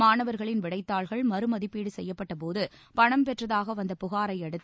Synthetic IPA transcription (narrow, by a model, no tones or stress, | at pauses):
maːnɐʋɐɾɣɐɭɪnʋɪɽɐɪt̪ːaːɭɣɐɭmɐɾɯmɐðɪpːiːɽɯsɛjːɐpːɐʈːɐpoːðɯ | pɐɳɐmpɛʈrɐðaːɣɐʋɐnd̪ɐpʊɣaːɾɐɪɐɽɯt̪ː